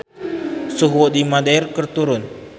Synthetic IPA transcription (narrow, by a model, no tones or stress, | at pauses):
suɦwɔdimadeirkərt̪uɾʊn